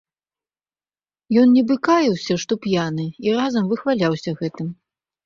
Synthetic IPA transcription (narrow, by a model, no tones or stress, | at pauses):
jɔnnʲɛbɨkajiwsʲɐʂt̪ɔpjanɨirazɐmvɨxvalʲawsʲɐɣɛt̪ɨm